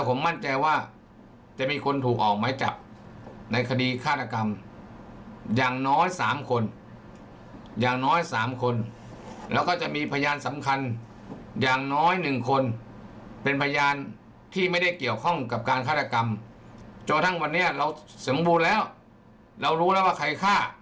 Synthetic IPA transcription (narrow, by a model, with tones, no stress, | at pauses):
lɛ˦˥wpʰo˩˦mːa˥˩nt͡ɕa˧jwaː˥˩ | t͡ɕa˨ʔmiː˧kʰo˧nt̪ʰuː˨˩k̚ʔɔː˨˩k̚maː˧˥jt͡ɕa̰˨˩p̚na˧jkʰa˧diː˧kʰaː˥˩t̪̚ːa˧ka˧m | jaː˨˩ŋnɔː˦˥jsaː˩˦mkʰo˧n | jaː˨˩ŋnɔː˦˥˩jsaː˩˦mkʰo˧n | lɛː˦˥˩wkɔː˥˩t͡ɕa˨˩ʔmiː˧pʰa˧jaː˧nsa˩˦mkʰa˧n | jaː˨˩ŋnɔː˦˥˨jnɯ˨˩ŋkʰo˧n | pe˧npʰa˧jaː˧n | t̪ʰiː˥˩ma˥˩jda˥˩jki˨˩əwkʰɔ˥˩ŋka˨˩p̚kaː˧nkʰaː˥˩t̪ʰːa˧ka˧m | t͡ɕo˧˩nt̪ʰa˥˩ŋwa˧nːi˦˥ɐɾa˧wso˨˩˦mbuː˧nlɛː˦˥˩w | ɾa˧wɾuː˦˥lɛː˦˥˩waː˥˩kʰa˧jkʰaː˥˩